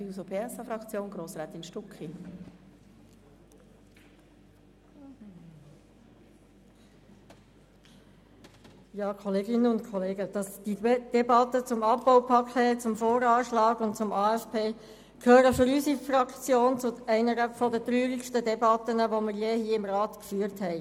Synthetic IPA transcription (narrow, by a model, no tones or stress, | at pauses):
iusopʰeːɛsɑfɾɑkt͡sjoːnɡɾoːsɾɛːt̪inʃtukχi | jɑːkʰɔleːɡɪnːənʊntkʰɔleːɡəd̥ɑsd̥id̥ɛbɑtːət͡sʊmɑpbɔwpʰɑkʰɛːt͡sʊmfoːɾɑːʃlɑːɡʊntt͡sʊmɑːɛfpʰeː | kʰhøːɾəfʏɾysifrɑkt͡sjoːnt͡sʊɛɪnəɾəfɔdət̪ɾyːɾikʃtədɛbɑt̪ənəʋomɪɾjeɦiːəɪmʁɑːt̪kfyːɾthɛɪ